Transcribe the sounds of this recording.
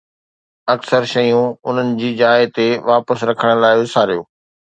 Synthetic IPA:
ɐksəɾʃɐjũʊn̤ənɪ̆d͡ʑiːd͡ʑaːɪt̪eʋaːpəsɾɐkʰəɽ̃̆laːɪʋɪsaːɾijoː

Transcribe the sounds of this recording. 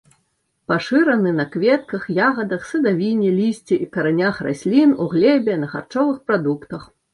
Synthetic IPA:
paʂɨɾɐnɨnɐkvʲɛt̪̚kɐxjaɣɐd̪ɐxsɐd̪avʲinʲɛlʲisʲt͡sʲiʔikɐɾanʲaxra̰sʲlʲinuɣlʲɛbʲɛnɐxa̰rt͡ʂɔvɨxpɾad̪ukt̪ɐx

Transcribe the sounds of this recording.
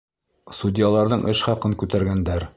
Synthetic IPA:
sud̪ʲɪjɑlˠɑɾðɤɴʔɘʃχɑqɤŋkʉt̪æɾɡænd̪æɾ

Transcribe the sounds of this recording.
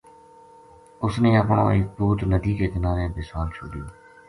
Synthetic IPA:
ʊsnẽːəpɳõ̰ːɪk̚buːt̪nəd̪iːkeːkɪnaːɾeːbɪswaːlt͡ʃʰoːɖɪjõː

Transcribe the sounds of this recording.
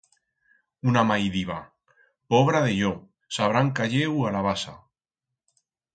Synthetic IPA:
unamajðiβa | poβ̞ɾaðeʎo | saβɾaŋkaʎewalaβ̞asa̰

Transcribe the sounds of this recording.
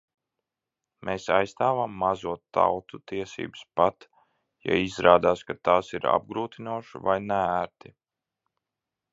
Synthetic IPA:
mʔeːsajst̪aːvamːazuɔtt̪ːa̰wt̪ut̪iɛsḭːbspat̪ | ja̰izɾaːd̪aːskat̪aːsiɾa̰b̚ɡɾuːt̪inuɔʃvajnɛæɾt̪i

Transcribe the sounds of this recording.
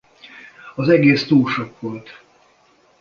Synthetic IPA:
ɒzɛɡeːst̪uːlʃokʋo̞lt̪

